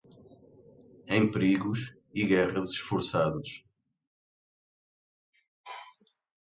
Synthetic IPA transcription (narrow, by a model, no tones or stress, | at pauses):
ẽj̃pɾiɣuʃ | iɣɛʁɐzɨʃfuɾsaðuʃ